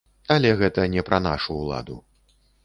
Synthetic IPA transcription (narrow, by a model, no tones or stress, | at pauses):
alʲɛɣɛt̪ɐnʲɛpɾɐna̰ʂuːlˠa̰d̪ṵ